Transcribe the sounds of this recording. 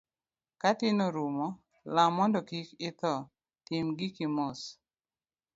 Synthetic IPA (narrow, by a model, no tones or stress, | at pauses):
katɪnoɾumɔ | lamːɔndɔkikɪt̪ɔ | tɪmɡɪkimɔs